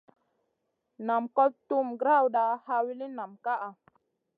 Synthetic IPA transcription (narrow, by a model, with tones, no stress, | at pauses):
na˨mkɔ˦p̚tu˦mɡɾa˦˨wɗa˨ha˧˦wi˦li˦na˨mka˦ʔa˨